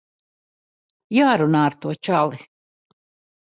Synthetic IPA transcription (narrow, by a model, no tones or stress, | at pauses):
jaːɾunaːɾt̪uɔt͡ʃalˠi